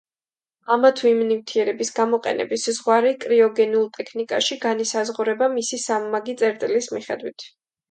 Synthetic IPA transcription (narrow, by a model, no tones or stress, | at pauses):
amat̪ʰuimnivt̪ʰiɛɾɛbisɡamɔqʼɛ̰nɛ̰biszʁwaɾikʼɾiɔɡɛniulˠt̪ʼɛkʰnikʼa̰ʃiɡanisazʁuɾɛbamisisamːaɡit̪sʼɛɾt̪ʼilismiχɛ̰d̪wit̪ʰ